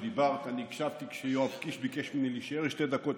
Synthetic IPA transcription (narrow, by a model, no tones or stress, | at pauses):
d̪ibaʁt̪anikʃavt̪ikʃejoapkiʃbikeʃminiliʃeʁeʃt̪ed̪akot̪